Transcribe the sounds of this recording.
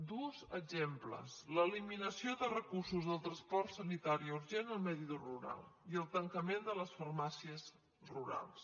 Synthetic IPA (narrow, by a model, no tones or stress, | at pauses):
d̪uzəɡzemplə̰sləːliminəsioðərəkursuzðəlˠt̪ɾənspɔrt̪sənit̪aɾiuɾʒenəlˠmɛðiðuruɾa̰lˠiəlˠt̪əŋkəmend̪ələsfərmasiəs | ruɾa̰lˠs